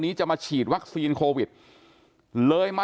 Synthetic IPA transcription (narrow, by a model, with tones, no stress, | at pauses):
nːiː˦˥t͡ɕa˨˩maː˧t͡ɕʰiː˨˩t̪̚wa˦˥k̚siː˧nkʰoː˧wi˨˩t̪̚ | lɤː˧jma˥